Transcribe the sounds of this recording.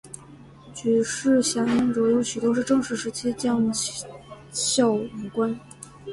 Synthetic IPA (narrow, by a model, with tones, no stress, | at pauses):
t͡ɕy˧˥ʂɻ̩˥˩ɕjɑ˧˥na˧˥ŋʈ͡ʂɔ˧˥jo˧˥ʊɕy˨˩t̪wɔ˥ʂɻ̩˥˧ʈ͡ʂɤ˥˧ŋʂɻ̩˥˩ʂɻ̩˧˥t͡ɕʰi˥t͡ɕjɑ˥˩ŋ | ɕjɑ˥˩ʊ˨˩kwa˥n